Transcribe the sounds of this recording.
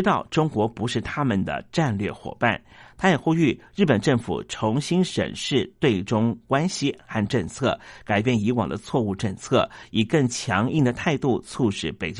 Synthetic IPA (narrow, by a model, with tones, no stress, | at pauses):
t̪ɑ˥˩ʊʈ͡ʂʊ˥ŋkwɔ˧˥pu˧˥ʂɻ̩˥˩t̪ʰa˥mə˨nd̪ə̰˩ʈ͡ʂa˥˧nlɥɛ˥˩xwɔ̰˨˩pa̰˥˩nt̪ʰa˥jɛ˨˩xu˥y˥˩ɻ̩˥˩pə˨˩nʈ͡ʂɤ˥˩ŋfṵ˨˩ʈ͡ʂʰʊ˧˥ŋɕi˥nʂə̰˨˩nʂɻ̩˥˧t̪we˥˩ɪʈ͡ʂʊ˥ŋkwa˥nɕi˨xa˥˧nʈ͡ʂɤ˥˧ŋt͡sʰɤ˥˩ka˨˩ɪpjɛ˥˩ni˧˥wɑ̰˨˩ŋd̪ə˦t͡sʰwɔ˥˧u˥˧ʈ͡ʂɤ˥˧ŋt͡sʰɤ˥˩i˨˩kɤ˥˩ŋt͡ɕʰjɑ˧˥ŋi˥˩ŋd̪ə˩t̪ʰa˥˧ɪt̪u˥˩t͡sʰu˥˩ʂɻ̩˥˩pe˨˩ɪt͡ɕ